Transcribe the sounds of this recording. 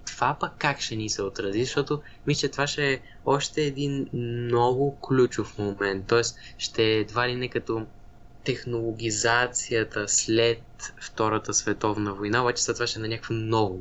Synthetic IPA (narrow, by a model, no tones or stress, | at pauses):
t̪v̥apəkːakʃɛnisɛot̪ɾɐzizɐʃt̪ɔt̪ʊ | mislət͡ʃɛt̪ovaʃɛː | ɔʃt̪ɛːd̪innɔɡʊklʲut͡ʃʊfmomɛnt̪ːɔɛst̪ | ʃt̪ɛd̪valinɛkɐt̪ɔ | t̪ɛxnolˠoɡ̟ʲizat̪sijət̪əslɛt̪̚ft̪ɔɾət̪əsvɛt̪ɔvnəvojnaobat͡ʃɛ̥sɛt̪ovaʃɛnɐnʲakəkvomnɔɡʊ